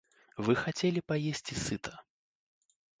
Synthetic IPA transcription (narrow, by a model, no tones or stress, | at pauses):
vɨxat͡sʲelʲipajesʲt͡sʲisɨt̪ʰɐ̥